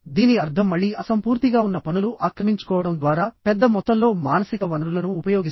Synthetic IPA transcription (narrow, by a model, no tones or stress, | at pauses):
d̪iːniɐɾd̪ʰʱɐmːɐɭːiɐsɐmpuːɾt̪iɡaːunːɐpɐnuluʔaːkɾɐmiɲt͡ʃu̥kɔːʋɐɽɐmd̪ʋaːɾaːpɛd̪ːɐmɔt̪ːɐllo̞ːmaːnɐsikɐʋɐnɐɾulɐnuːpɐjoːɡis